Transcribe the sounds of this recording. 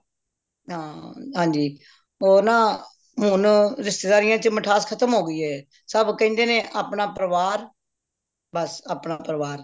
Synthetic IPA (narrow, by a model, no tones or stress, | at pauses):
ɦãːɦãːɲd͡ʒiː | oːnãː | ɦʊnɾɪst̪eːd̪aːɾɪjãːt͡ʃməʈʰaːskʰət̪əmɦoːɡəiːɛː | səbkɛ̃ːnd̪eːnẽːʔaːpnaːpəɾəʋaːɾ | bəsaːpnaːpəɾʋaːɾ